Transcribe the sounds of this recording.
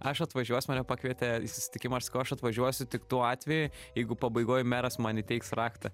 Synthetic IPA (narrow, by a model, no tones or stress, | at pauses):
ɐʃɐt̪ʋɐʒʲuɔsʲʊmɑːnʲɛpɑːkʋʲiɛt̪ʲɛisʊ̥sʲɪ̥t̪ʲɪkʲɪmɐɐʃsɐkɐʊɐʃɐt̪ʋɐʒʲuɔsʲʊt̪ʲɪkt̪uɔɑːt̪ʲʋʲɛjʊjɛɪɡʊpɐbɐɪɡoːjmʲæːɾɐsmɑnɪt̪ʲɛɪksrɑːkt̪ɐ